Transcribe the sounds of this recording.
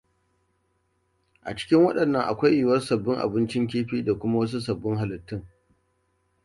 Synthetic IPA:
ʔa̰˨t͡ʃɪ̥˦kʲɪ˦ŋwɐ˦ɗɐ˨nːɐ˦ŋʔa̰˨kʷa˦jʔɪ˨wɐ˦rsɐ˨bːɪ˦ŋʔa̰˨bɪ˦nt͡ʃɪ˦ŋk̬ʲeː˦ɸiː˦da˨kʷʊ˦ma˦wɐ˦s̬u˦sɐ˨bːɪ˦ŋɦa˨lɪ˨tːɪ˦ŋ

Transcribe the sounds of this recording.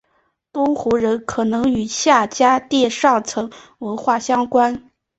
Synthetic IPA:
t̪ʊ˥ŋxu˧˥ɻə˧˥nkʰɤ˨˩nɤ˧˥ŋy˨˩ɕja˥˩t͡ɕja˥t̪jɛ˥˧ʂɑ˥˩ʊt͡sʰɤ˧˥ŋwə˧˥nxwa˥˩ɕjɑ˥ŋkwa˥n

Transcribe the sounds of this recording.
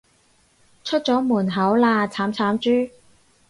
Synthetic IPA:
t͡ʃʰɵ˥t̚t͡sɔː˨˥muː˨˩nɦɐ˨˥wlaː˧t͡sʰaː˨˥mt͡sʰaː˨˥mt͡ʃyː˥

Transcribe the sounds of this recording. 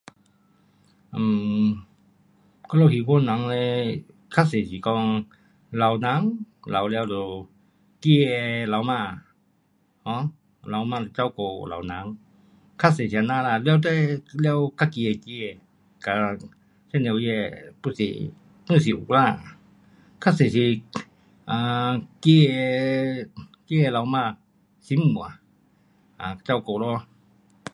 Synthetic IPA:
ʔə˨m | kɔ˧˦lɔ˧˨ki˧˨ko˧˦˨na˨˧˦ŋlɛ˧ | kʰa˥˨se˨si˨kɔ˧ŋ | la˧wna˧˦ŋla˨wlɛ˧˨wdo˨˧˨ | ki˧ɛ˧la˨˧wmaː˧˨ | hɔ˧˦ | la˧wmaː˧˨dt͡ʃa˧˨wkɔ˧˨la̰˨wna˨˦ŋ | kʰa˧˥˨si˨si˧˨a˧˨naː˧˨laː˧˨lɛ˧˨wt̪̬ɛ˧˨lɛ˧˨wkʰa˧ki˧˨ɛ˨ki˧ɛ˧˨ | ka˧ | sa˧˨nɛ˧wjɛ˧˨pu˧˨sḭ˧˨ | pu˦˧˨s̬i˧˨ʔṵ˧˨kla˧˩˨ | kʰa˧˥˨si˧˨si˧˦ | ʔaː˧˨ki˧ | ki˧ɛ˧˨la˨˧˨wmaː˧˨ | si˧˦m˧˨u˨a˨ | ʔa˨ka˨˧t͡ɕa˧˨wko˧˨lɔ˧

